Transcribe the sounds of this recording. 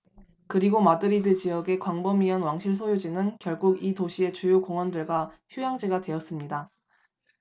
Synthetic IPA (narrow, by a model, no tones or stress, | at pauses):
kɯɾiɡomadɯɾidɯd͡ʑijʌɡe̞kwaŋbʌmiʌnwaŋɕʰiɭsʰojod͡ʑinɯnkjʌɭɡuɡitoɕʰie̞t͡ɕujokoŋʌndɯɭɡwaçjujaŋd͡ʑiɡadwe̞jʌs͈ɯmɲida